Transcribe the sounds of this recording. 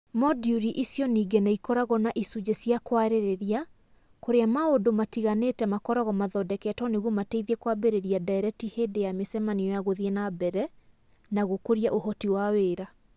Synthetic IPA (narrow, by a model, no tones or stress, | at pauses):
mɔdiuɾiʔisjɔniːɡenaikɔɾaɣɔnaʔisud͡ʒesjakwaɾeɾeɾia | koɾeamaodomatiɣaneːtɛmakɔɾɔɣɔmaðɔdɛkɛtɔneɣwɔmateiðiekwabeɾeɾiadaɛɾɛtiheːdejamesɛmaniɔjaɣoðienabɛɾɛ | naɣokoɾiaʔohɔtiwaweːɾa